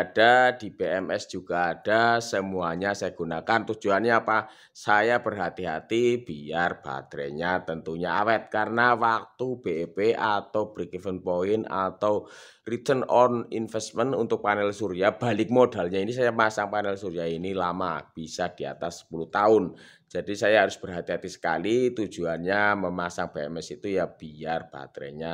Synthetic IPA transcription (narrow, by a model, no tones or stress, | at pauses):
d̥ad̥ib̥eɛmɛsd͡ʒ̥uɡ̥aːd̥asəmuaɲasajaɡ̥unakant̪u̥d͡ʒ̥uanɲaapa | sajabərɦat̪iɦa̰t̪ib̥iarb̥a̰t̪ɾɛ̰ɲat̪ənt̪uɲaa̰wɛt̪̚karənawak̚t̪ub̥eepeat̪awb̥ɾikifənpoɪna̰t̪aw | rit̪ənɔninfɛst̪̚mənunt̪ʊk̚panɛlsuɾiab̥a̤lɪk̚modalɲainis̬ajamasaŋpanɛlsuɾiainilamab̥isad̥ia̰t̪asːə̥puluht̪aʊn | d͡ʒ̥adisajaɦaɾʊsb̥ərɦat̪iɦat̪isə̥ka̰lit̪u̥d͡ʒ̥uanɲaməmasaŋb̥eɛmɛsit̪ujab̥iarb̥a̰t̪ɾɛ̰ɲa